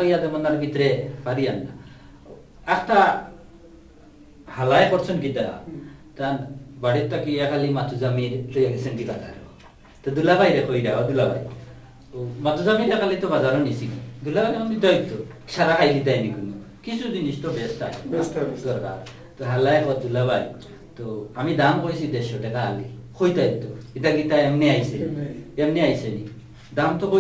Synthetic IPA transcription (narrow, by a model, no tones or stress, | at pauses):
ɔjad̪emɔnaɾbit̪ɾepʰaɾijanːa̰ | akt̪a | halajekɔɾsʰɔnkid̪aɾa̰t̪anbaɽit̚t̪ːakiakʰalimat̪uzamiɾt̪eɡsenkibaza̰ɾɛɔ | t̪ɔd̪ulabajɾekɔjɾabɔd̪ulaba̰j | mat̪uzamiɾɛkalit̪ɔbazaɾɔnisiɡd̪ulabajnkɔnit̪ajt̪ːɔʃaɾakʰajlit̪̬ajnikunɔkisuzinist̪ɔbɛsta̰ | d̪ɔɾka̰ɾ | t̪ɔɦalaekɔt̪̚d̪ulabaj | t̪ɔamid̪amkojsid̪esɔʈɛkaːlikʰojt̪ajt̪ːɔit̪aɡit̪aemniajseniɛmniajseni | d̪amt̪ɔko